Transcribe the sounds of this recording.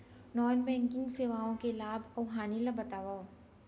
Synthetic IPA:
nɔːnbɛ̃ːŋkɪ̃ŋɡseːʋaːõkelaːbɐwɦaːnilɐbɐt̪aːʋaː

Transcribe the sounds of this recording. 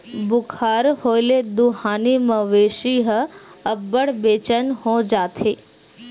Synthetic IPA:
bʊkʰaɾhojled̪uɦaniməʋeʃiɦəəbːəɽbet͡ʃənɦõd͡ʒat̪ʰe

